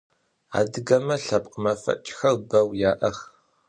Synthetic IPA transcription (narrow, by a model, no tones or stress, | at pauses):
a̰ːdɨɡɐmɐɬɐpʼqəmɐfɐ̰t͡ʃʼxɐrbɐwjaːʔɐx